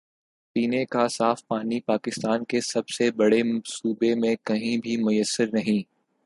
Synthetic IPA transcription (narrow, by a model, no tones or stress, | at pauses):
piːnekasaːfpaːnipaːkɪst̪aːnkesɐbsebɐɽesuːbemẽkɐɦĩbʱimʊjəsːəɾnɐɦĩː